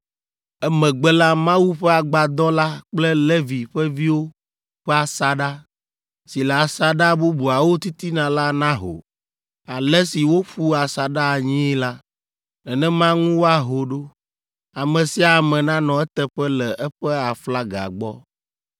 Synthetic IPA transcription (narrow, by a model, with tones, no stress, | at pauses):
ɛ˦mɛ̃˨ɡ͡bɛ˦la˦mã˦wu˦ɸɛ˦a˨ɡ͡ba˨d̪ɔ˦la˦k͡plɛ˦le˦vi˨ɸɛ˦vi˦wo˦ | ɸɛ˦a˨sa˨ɖa˦ | si˨lɛ˨a˨sa˦ɖa˦bu˦bu˨a˨wo˦t̪i˦t̪i˦nã˨la˦nã˦ɦo̰˨ | a˨lɛ˦si˨wo˦ɸu˦a˨sa˨ɖa˦˨ɲĩ˦ɛ˦la˦ | ɛ˨nɛ̃˦mã˦ŋũ˦wo˦a˨ɦo˨ɖo˦ | a˨mɛ̃˨si˨˦a˨mɛ̃˨nã˦nɔ̃˨ɛ˦t̪ɛ˦ɸɛ˦lɛ˨ʔɛ˦ɸɛ˦a˨fla˦ɡa̰˨ɡ͡bɔ̰˦